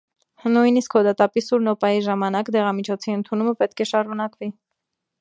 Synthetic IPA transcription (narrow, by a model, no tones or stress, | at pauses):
nujniskhɔd̪ɑt̪ɑpisuɾnɔpɑjiʒɑmɑnɑkd̪ɛʁɑmit͡ʃʰɔt͡sʰiənt̪ʰunuməpɛt̪kʰɛʃɑɾunɑkvi